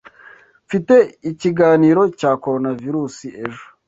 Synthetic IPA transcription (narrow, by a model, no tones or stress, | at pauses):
ɱfite̞iciɡaːniːɾo̞caːko̞ɾo̞naviɾuːsie̞ʒo̥